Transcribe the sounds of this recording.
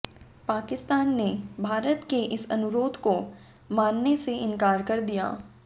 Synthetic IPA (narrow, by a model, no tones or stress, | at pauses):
paːkɪst̪aːnːebʱaːɾət̪keʔɪsɐ̰nʊɾoːd̪ʱko | maːnːeseɪ̃nkaːɾkɐɾd̪ija̰ː